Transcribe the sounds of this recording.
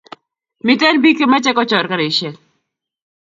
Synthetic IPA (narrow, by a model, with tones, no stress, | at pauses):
mɪ˨tɛ˦nbi˦ke˦ma˦t͡ʃɛ˦kɔ˦t͡ʃɔ˨ɾka˦ɾe˨i˨ʃɛ˨l